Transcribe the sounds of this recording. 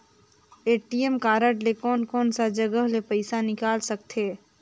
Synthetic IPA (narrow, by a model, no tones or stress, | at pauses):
eːʈiemkaːɾəʈlekɔːnkɔːnsad͡ʒɐɡəɦlepɐɪsanɪkaːlsɐk̚t̪ʰeː